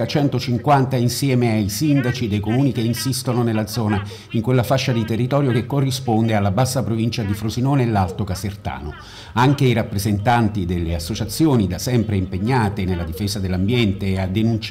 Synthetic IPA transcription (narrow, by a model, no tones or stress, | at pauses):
at͡ʃɛnt̪ot͡ʃiŋkwant̪ainsjɛːmeajsind̪at͡ʃid̪ejkomuːnik̟einsist̪ononelːad̪zɔːna | iŋkwelːafaʃːad̪it̪erːit̪ɔːɾjokekːorːispond̪ealːabasːapɾovint͡ʃad̪ifɾozinɔːnlːalt̪okasert̪a̰ːno | aŋk̟eiɾapːɾezent̪ant̪id̪elːeasːot͡ʃat̪sːjoːnid̪asɛmpɾeimpeɲːaːt̪enelːad̪ifeːzad̪elːambjɛnt̪ead̪enunt͡ʃ